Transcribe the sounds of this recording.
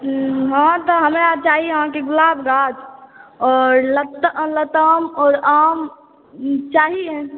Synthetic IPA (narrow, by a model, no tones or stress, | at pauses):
ɦãt̪ɔɦəmɾat͡ʃaɦiɦãkeɡʊlabɡad͡ʒɔːɾlət̪lət̪əmɔːɾam | t͡ʃaɦie